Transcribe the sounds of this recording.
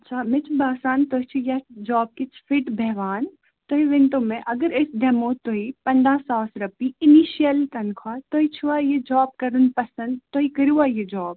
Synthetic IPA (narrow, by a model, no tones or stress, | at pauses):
ɐtːt͡ʃʰaːmɪt͡ʃʰbaːsaːnt̪oɦit͡ʃʰujɐd͡ʒɔːb̚kit͡ʃʰfɪʈbʱɛɦʋaːn | t̪oɦiʋɪnt̪õmẽʔɐɡəɾɪsd̪emõt̪oɦipɐnd̪aːsaːsɾɐpiɪniːʃijəlt̪ɐnkʰwat̪oːɦit͡ʃʰuajed͡ʒɔːb̚kɐɾunpɐsə̃nd̪t̪oikəɾuajed͡ʒɔːb